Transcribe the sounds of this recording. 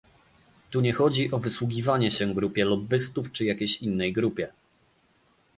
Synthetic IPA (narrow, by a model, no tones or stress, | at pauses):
t̪uɲɛxɔd͡ʑiʔɔvɘswuɡʲivaɲɛɕɛɡɾupʲjɛlɔbɘst̪uft͡ʂɘjakʲejɕinːɛjɡɾupʲjɛ